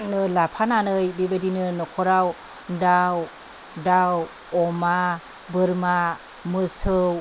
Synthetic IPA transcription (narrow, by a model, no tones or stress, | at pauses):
t̚nɯlapʰananɯjbibadinɯnɔkʰɔɾaw | daw | daw | ɔma | bɯɾma | mɯsɯw